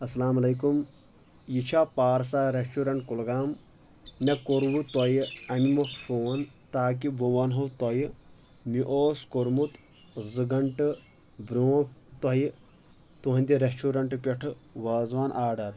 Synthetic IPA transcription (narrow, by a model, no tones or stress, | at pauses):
ɐsɐlaːmɐlejkum | jit͡ʃʰaːpaːɾsaːɾesʈuːɾɐɳʈkulɡaːm | nekoɾʋut̪ɔjɐmimɐffoːnt̪aːk̬iboʋɐnɦɐt̪ɔj | miʔoːskoɾmut̪ | zɨɡɐɳʈɨ | bɾoːt̪ɔj | t̪uɦɐ̃nd̪iɾesʈuːɾɐɳʈpʲeʈʰɨʋaːzʋaːnʔaːɾɖɐɾ